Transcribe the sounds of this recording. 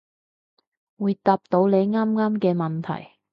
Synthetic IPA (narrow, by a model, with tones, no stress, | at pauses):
wuː˨˧jt̪aː˧p̚t̪o˨˧˥wle˨˧jŋaː˥mŋaː˥mkɛː˧mɐ˨nt̪ʰɐ̰˨˩j